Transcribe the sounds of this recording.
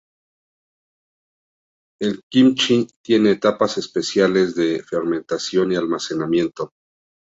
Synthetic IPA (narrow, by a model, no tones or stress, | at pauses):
e̞lkimt͡ʃit̪je̞ne̞ːt̪apase̞spe̞sjale̞zðe̞fe̞ɾmẽ̞nt̪asjo̞nialmase̞namje̞nt̪o̞